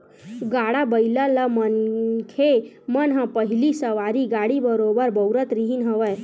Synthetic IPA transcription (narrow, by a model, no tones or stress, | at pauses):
ɡaɽabəjlalamənkʰemənɦãpəɦilisəʋaɾiɡaɽibəɾobəɾbəwɾət̪ɾiɦinɦəʋəj